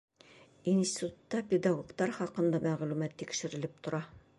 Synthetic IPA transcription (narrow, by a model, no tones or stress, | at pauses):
insʲt̪ʲit̪ut̪ːɑpʲed̪aɡokt̪ɑɾχɒqɤ̆nd̪ɑmæʁlʉmæt̪ːikʃɘ̆ɾɘ̆lɘp̚t̪ŏɾɑ